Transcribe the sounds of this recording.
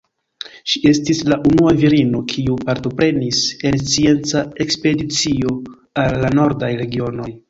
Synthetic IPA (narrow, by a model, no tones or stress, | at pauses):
ʃie̞stislaʔunuaviɾino̞kʰiupaɾto̞pɾe̞nise̞nst͡sie̞nt͡sae̞kspe̞dit͡sio̞ | alːano̞ɾdajɾe̞ɡio̞no̞j